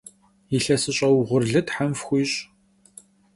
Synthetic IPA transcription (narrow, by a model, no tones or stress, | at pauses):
iɬɐsɨɕʼɐwʁʷʊrɮɨtħamfxʷiːɕʼ